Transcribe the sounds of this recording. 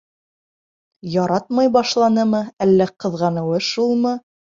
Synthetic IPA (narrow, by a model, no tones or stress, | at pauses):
jɑɾɑt̪̚mɑjbɑʃlˠɑnɤmɤælːæqɤ̆ðʁɑnɤ̆wɤʃulˠmɤ